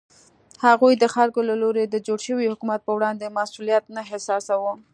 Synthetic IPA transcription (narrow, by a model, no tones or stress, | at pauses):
haɣujd̪əxaɾɡolaloɾed̪əd͡ʒoɽʃəwihʊkumat̪̚pəwɽɑnd̪emasulijat̪naɦɪsɑsawə